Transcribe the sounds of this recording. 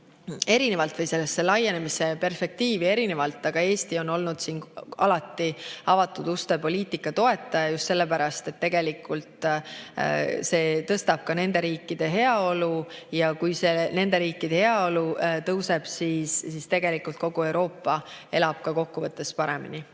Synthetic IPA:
e̞ɾinevɑlt̪vɤjse̞lːesːelɑjːe̞ne̞mise̞pe̞rspe̞k̚t̪iːvie̞ɾine̞vɑlt̪ːˑɑɡ̥ɑe̞ːst̪io̞no̞lnud̪̥siːnɑ̰lɑt̪ːˑiɑvɑt̪ːˑud̪̥ust̪epo̞lʲiːt̪ikːˑɑt̪o̞e̞t̪ːˑɑjɑjust̪se̞lːepæɾɑst̪e̞t̪ːe̞ɡ̥e̞likːult̪ˑ | se̞ːt̪ɤst̪ɑb̥̚kɑne̞nd̪e̞ɾiːkːˑid̪̥e̞ɦe̞ɑo̞lujɑkujse̞ne̞nd̪eɾiːkːˑid̪̥e̞he̞ɑo̞lut̪ɤwse̞b̥siːsːist̪e̞ɡ̥e̞likːˑult̪̚ko̞ɡ̥ue̞wɾo̞ːpːɑe̞lɑb̥kɑko̞kːuvɤt̪ːˑe̞spɑɾe̞mḭni

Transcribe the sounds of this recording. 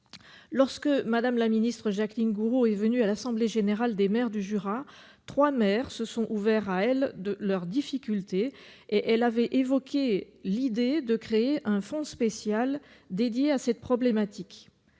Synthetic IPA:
lɔʁskəmad̪amlaminist̪χəʒaklinɡuʁoɛvənyalasɑ̃bleʒeneʁald̪emɛʁd̪yʒyʁa | t̪χwamɛʁsəsɔ̃ʔuvɛʁaɛld̪əlœʁd̪ifikʲylt̪e | eʔɛlavɛʔevɔkʲʰelid̪ed̪əkχeeʔɛ̃fɔ̃spesjal | d̪ed̪jeasɛt̪̚pχɔblemat̪ʰik

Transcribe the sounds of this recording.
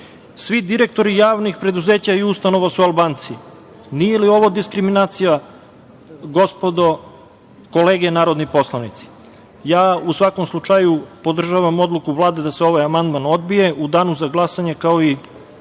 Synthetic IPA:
sʋid̪iɾe̞k̚t̪o̞ɾijaːʋnixpɾe̞d̪uze̞ːt͡ɕaiust̪ano̞ʋasualˠbaːnt̪si | nijelio̞ʋod̪iskɾiminaːt̪sija | ɡo̞spod̪o | ko̞le̞ːɡenaːɾo̞d̪nipo̞slˠanit̪si̥ | jaːusʋako̞mslˠut͡ʃajupo̞d̪r̩ʒaːʋamo̞d̪lˠukuʋlˠaːd̪e̞d̪aseo̞ʋajamand̪mano̞d̪bije̞ʔud̪aːnuzaɡlˠasaɲekaoi

